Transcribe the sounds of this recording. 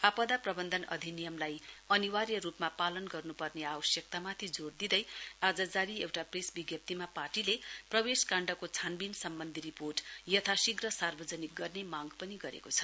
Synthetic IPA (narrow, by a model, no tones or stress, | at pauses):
apad̪aprʌbʌnd̪ʱʌnʌ̰d̪ʱinijʌmlajʌniwarjʌɾupmapalʌnɡʌrnupʌrneabʌsjʌk̚t̪amat̪ʰid͡zord̪id̪ʌjad͡zʌd͡zaɾiewʈapresbiɡjʌp̚t̪imaparʈileprʌbeskãɳɖʌkot͡sʰanbinsʌmbʌnd̪ʱiɾiporʈjʌt̪ʰasiɡrʌsarbʌd͡zʌnik̚ɡʌrnemaɡpʌniɡʌɾḛkot͡sʰʌ̥